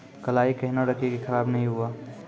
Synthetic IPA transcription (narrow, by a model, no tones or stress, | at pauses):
kɐlaːikɐɦɪnaɾəkekexʰɐɾaːbnɐɦĩɦuaː